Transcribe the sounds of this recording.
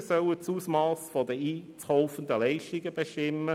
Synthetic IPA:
sœlət͡suːsmɑːsfɔdəiːt͡shoʊfənd̪əlɛɪʃtɪɡəbeʃtɪmːə

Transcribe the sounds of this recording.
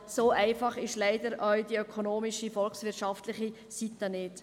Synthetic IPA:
soːʔæɪfɑχɪʃlæɪdəɾœwdiœkʰonoːmiʃifɔlksvʋɪtʃɑftlɪχi | sit̪ːənɪt

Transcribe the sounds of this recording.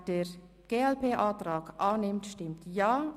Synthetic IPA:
d̥eɹ | ɡ̥eːɛlpeːʔaːtɾaːɡʔaːnɪmtʃtɪmtjaː

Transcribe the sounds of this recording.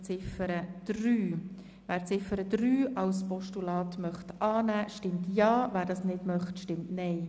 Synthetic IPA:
t͡sɪfəɾəd̪̥ɾyː | ʋæːɾt͡sɪfəɾəd̪ɾyːʔɑwspɔʃtulɑːtmœχtɑːnæːʃtɪmtjɑːʋæːɾdɑːsnɪdmœχtʃtɪmtnɛɪ

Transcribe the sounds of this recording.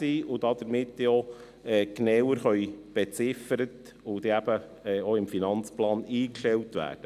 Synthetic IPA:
iːʊdɑd̥̪əɾmɪtːo | ɛːknɛwəɾχœjb̥ɛt͡sɪfəɾət | ʊd̥̪eæb̥ə | ɛːoɪmfinɑnt͡splɑːniːkʃtɛltʋæ̰ːd̥ə

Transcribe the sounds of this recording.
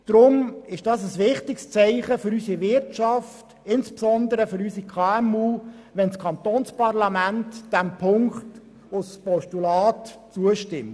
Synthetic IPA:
d̥ɾʊmɪʃd̥ɑːs̬əsʋɪχtɪkst͡sɛɪχəfʏɾysiʋɪrtʃɑft | ɪnspsɔnd̪əɾəfʏɾysikʰɑːɛmuː | ʋɛnskʰɑnt̪oːnspɑʁlɑmæntd̥æmpʰʊŋkt | ʊspɔʃtulɑːtt͡suəʃtɪmt

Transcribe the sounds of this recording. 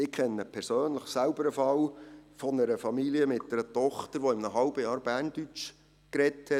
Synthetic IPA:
ɪkʰɛnːəpʰɛɾsøːnləχsælbəɾəfɑlfɔnəɾəfɑmiliəmɪt̚dəɾətɔχtəɾʋoɪmnəɦɑlbəjɑːɾb̥æːrnd̥yt͡ʃ | kɾɛthɛ

